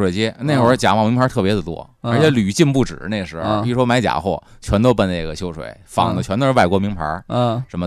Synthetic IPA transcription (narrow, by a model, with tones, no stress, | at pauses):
we˨˩ɪjɛ˥ne˥˩ɪxo˧˩˥t͡ɕja̰˨˥mɑ˨˩mi˧˥pʰt̪ʰɤ˥˩pjɛ˧˥d̪ə˨˩t̪wɔ̰˥˩ | ə˧˥t͡ɕʰjɛ˧˥ly˨˩t͡ɕi˥˧npu˥˩ʈ͡ʂɻ̩˨˩ne˥˩ɡə˩ʂɻ̩˧˥˧pi˨˩ɻu˥ʂwɔ˥ma˥ɪt͡ɕja̰˨˩xwɔ˥˩t͡ɕʰɥɛ˧˥nt̪o˥ʊpə˥˧ne˥˧ɪɡə˨ɕjo˥ʊʂwḛ˧˩˦ɪfɑ̰˨˩ŋd̪ə˦t͡ɕʰɥɛ˧˥nt̪ə˥˧˥wa˥˩ɪkwɔ˥mi˧˥ŋpʰa̰˧˥˧ʂə˧˥nmə˧